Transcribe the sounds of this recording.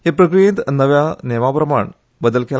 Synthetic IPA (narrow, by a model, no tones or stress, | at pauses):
epɾɐkɾijet̪nːɐʋjaneːʋaːpɾɐma̰ːɳ | bəd̪əlkel